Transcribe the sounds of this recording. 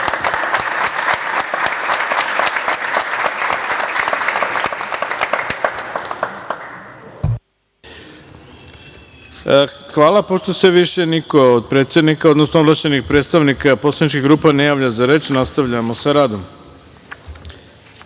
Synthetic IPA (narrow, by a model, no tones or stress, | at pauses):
xʋaːlapo̞ʃt̪oseʋiʃe̞nikood̪̚pɾet̪sjed̪nikaod̪nosnoobɾat͡ɕenixpɾet̪st̪aʋnikaposlanit͡ʃkiɣɡɾuːpanejaːʋʎazaɾe̞ːt͡ʃnast̪aʋʎamo̞saɾaːd̪o̞m